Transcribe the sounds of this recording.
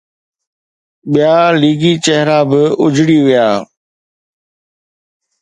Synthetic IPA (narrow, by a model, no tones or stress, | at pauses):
ɓijaːliːɡit͡ɕɛɦɾabɪʊd͡ʑʱɽiʋijaː